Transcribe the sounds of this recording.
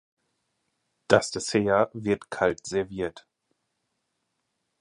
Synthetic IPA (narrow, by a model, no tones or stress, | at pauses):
d̥astəseːɐvɪɐtkʰaltz̥ɛɐviːɐt